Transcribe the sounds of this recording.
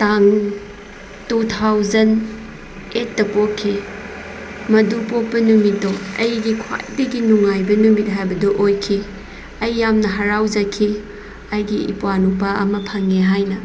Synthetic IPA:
taŋ | tutʰawzɐn | et̚ːɐpokʰːi | mɐdupok̚pɐnumitːoɐjɡikʰwa̰jbɐɡinuŋajbɐnumit̚ɦajbɐdoʔojkʰi | ɐjːamnɐɦɐɾawd͡ʒɐkʰi | ajɡiḭpwanupaɐ̰mɐpʰɐŋːeɦajnɐ

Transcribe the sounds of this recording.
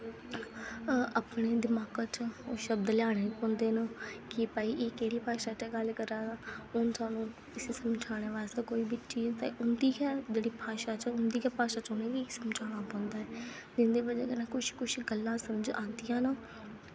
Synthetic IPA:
apɳeːd̪ɪmaːkət͡ʃːʃəb̚d̪lɪjaːɽ̃eːpɔ̃ːnd̪eːnəkɪpaːiːʔeːkeːɽiːpaːʃaːt͡ʃəɡəlkəɾaːdaːʊnt̪aːnũː | ɪseːsəmd͡ʒʰʱaːɽ̃eːʋaːzt̪aːkoːiːbit͡ʃiːzt̪ã̰ʔʊnd̪iːkɛːd͡ʒeːɽiːpaːʃaːt͡ʃʊnd̪iːkɛːpaːʃaːt͡ʃoneːɡiːsəmd͡ʒʰʱaːɽ̃aːpɔ̃ːnd̪aːɛː | d͡ʒ̪ɪnd̪eːbəd͡ʒḛːkenãːkʊʃkʊʃɡəlːãːsəməd͡ʒãːnd̪ijãːnaː

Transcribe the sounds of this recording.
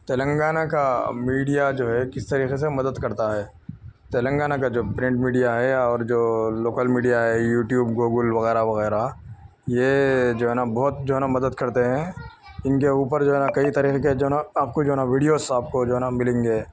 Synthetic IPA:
t̪eːlə̃ŋɡaːnakamiːɖijad͡ʒoːɦɛkɪst̪ɐɾiːxesemɐd̪əd̪kɐɾt̪aɦɛː | t̪eːlə̃ŋɡaːnakad͡ʒoːpɾɪ̃ɳʈmiːɖijaɦɛɔːɾd͡ʒoːloːkəlmiːɖijaɦɛjuːʈjuːbɡoːɡəlʋɐɣɛːɾaʋɐɣɛːɾa | jed͡ʒoːɦɛːnabɔːt̪d͡ʒoːɦɛːnamɐd̪əd̪kɐɾt̪eɦɛ̃ | ɪnkeuːpəɾd͡ʒoːɦɛːnakɐit̪aːɾiːxeked͡ʒoːɦɛaaːp̚kod͡ʒoːɦɛnaʋiːɖijosaːp̚kod͡ʒoːɦɛːnamɪlẽːŋɡeː

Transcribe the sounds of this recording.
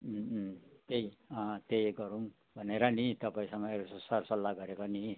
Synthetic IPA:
t̪eiʌ̃t̪ejɡʌɾum | bʱʌneɾʌnit̪ʌpaĩsʌŋɡʌeɾssʌrsʌlːaɡʌɾekoni

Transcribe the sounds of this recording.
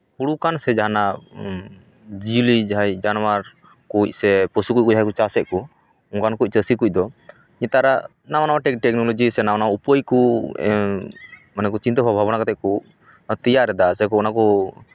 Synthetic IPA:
huɽukansɛd͡ʒaɦana | d͡ʒiulid͡ʒajd͡ʒanmaɾ | kuc̚ˀsɛpəsukuc̚kud͡ʒʱɦajkut͡ʃasɛʔ̚ku | uŋkankuc̚ˀt͡ʃəsikuc̚ˀd̪ɔ | ɲɛt̪aɾa | nawanawaʈɛkʈɛk̚nɔlɔd͡ʒisɛnawanaupəjku | manɛk̬ut͡ʃint̪əbʱabʱabɔnakat̪ɛʔ̚ku | t̪ijaɾɛd̪asɛk̬uɔnaku

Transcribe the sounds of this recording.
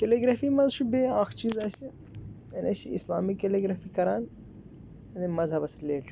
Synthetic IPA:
keleɡɾaːfimɐzʃubeːaːxt͡ʃiːzaːsi | jɐnʲɐsiḭslaːmikːeliɡɾaːfiːkɐɾaːn | ɐnimɐzɦɐbɐsleːʈ

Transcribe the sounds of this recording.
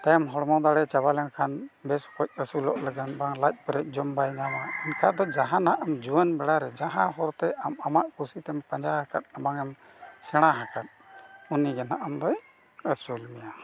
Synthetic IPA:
t̪ajamɦɔɽmɔd̪aɽɛt͡ʃabalɛnkʰanbɛskɔc̚ˀəsulɔʔləɡanbaŋlac̪̚ˀpəɾɛc̚ˀd͡ʒɔmbajɲamainkʰad̪ɔd͡ʒaɦãnaʔamd͡ʒuwənbɛɽaɾɛd͡ʒaɦãɦɔɾt̪ɛʔamamaʔkusit̪ɛmpəɲd͡ʒaɦakat̪̚abaŋɛm | sɛɽ̃aɦakat̪̚uniɡɛnaʔamd̪ɔj | əsulmɛja

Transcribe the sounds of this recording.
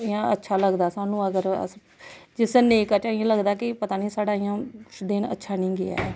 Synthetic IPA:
ɪjãːətːʃʰaːləɡd̪aːsaːnũːəɡəɾə̰ | d͡ʒɪsneːkət͡ʃːɪãːləɡd̪aːkɪpət̪aːniːsaːɽaːɪjãːd̪eːnə̰tːʃʰaːnĩːɡɪa̰ː

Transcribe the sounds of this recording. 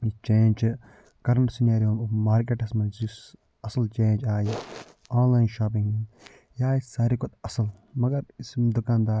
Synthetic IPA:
it͡ʃẽːnd͡ʒ | kɐɾɐɳʈsinaːɾijoːmoʋmaːɾk̬eʈɐsmɐnsis | ɐsɐlt͡ʃẽːnd͡ʒaːji | aːnlaːjnʃaːp̬ĩŋɡ | jaːjisɐːɾikot̪ɐsɐlmɐɡɐɾsd̪ʊkaːnd̪aː

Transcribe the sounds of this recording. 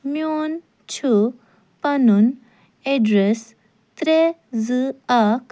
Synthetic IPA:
mjon | t͡ɕʰu | panun | eɖɾes | t̪ɾed͡zɨak

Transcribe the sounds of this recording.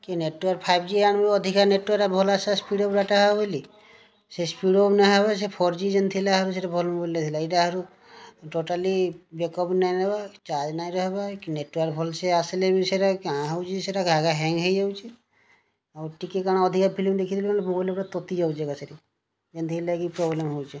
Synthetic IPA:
kineʈaɾpʰajbd͡ʒiañbiɔd̪ʱikaneʈwaɾabʱɔlasaspiɖobɾaʈaɦabɔjli | sespiɖobnaɦebasepʰɔɾd͡ʒid͡ʒent̪ʰilaɦaɾus̬eɾabʱɔlmbolat̪ʰilaiʈaɦaɾu | ʈoʈalibekɔpnajnebat͡ʃaɾd͡ʒnajɾɔɦbakineʈwaɾbʱɔlseaselebiseɾakaãɦawt͡ʃʰiseɾaɡʱaɡaɦɛ̃ŋɡɦejd͡ʒawt͡ʃʰe | awʈikekaɽ̃aɔd̪ʱikapʰilimd̪ekʰit̪ʰilikanemobajlbʈat̪ɔt̪id͡ʒawd͡ʒeɡaseɾi | d͡ʒent̪ʰilakipɾɔblemɦowt͡ʃʰe

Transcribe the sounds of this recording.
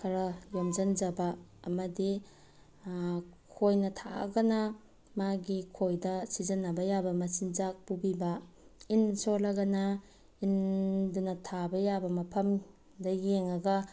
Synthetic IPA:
kʰɐɾɐjomd͡ʒɐnd͡ʒɐbɐːmɐdi | kʰojnɐtʰa̰ɡɐnɐ | maɡikʰojdɐsizɐnɐbɐjabɐmɐsind͡ʒak̚pubibɐinsolɐɡɐnɐ | indunɐtʰabɐjabɐmɐpʰɐm | dɐjeŋɐɡɐ

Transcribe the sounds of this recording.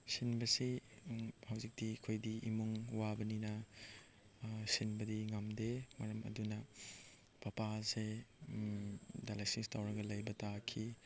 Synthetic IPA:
sinbɐsi | hɐwzik̚d̥ikʰojdiimuŋwabɐninɐ | sinbɐdiŋamdemɐɾɐmɐ̰dunɐ | pɐpase | dalajsinstawɾɐɡɐlɐjbɐtakʰi

